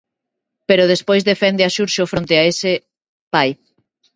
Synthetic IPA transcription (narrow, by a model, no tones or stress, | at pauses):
peɾoðespojzðefɛnd̪eaʃuɾʃofɾont̪eaese | paj